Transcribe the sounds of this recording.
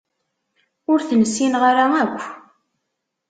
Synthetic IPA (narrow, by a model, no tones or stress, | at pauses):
ʊɾθənəsːinʁaɾaækʷː